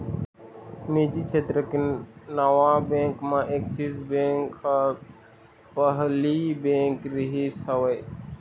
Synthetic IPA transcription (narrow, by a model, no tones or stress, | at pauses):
meːd͡ʒiːt͡ʃʰet̪ɾəkinaʋaːbẽːŋkmãːʔeksisbẽːŋka | pəɦliːbẽːŋkɾɪɦisəʋəj